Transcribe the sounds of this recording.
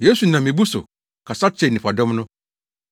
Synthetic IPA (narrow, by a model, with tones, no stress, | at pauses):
je˦su˨nã˨mĩ˨bu˦sʊ̰˨ | kʰa˨sa˦t͡ɕʰɛ˨nɪ̃˨fa˨dɔ̃˦mnʊ̃˦